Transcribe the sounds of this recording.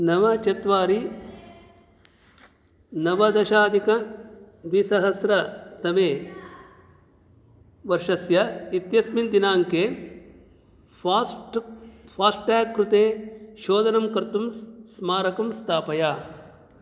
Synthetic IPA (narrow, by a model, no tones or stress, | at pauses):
nɐʋɐt͡ʃɐt̪ʋaːɾi | nɐʋɐd̪ɐʃaːd̪ʱikɐ | ʋisɐɦɐsɾɐt̪ɐmeː | ʋɐɾʂɐsjɐit̪jɐsmind̪inaːŋkeː | paːsʈʈɛːkːɾut̪eːʃoːd̪ɐnɐmkɐɾt̪umsmaːɾɐkɐmst̪ʰaːpɐjaː